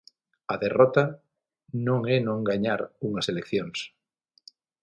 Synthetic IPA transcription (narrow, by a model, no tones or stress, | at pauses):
ɐðerɔt̪a | nõŋɛnõŋɡaɲaɾuŋɐselekθjoŋs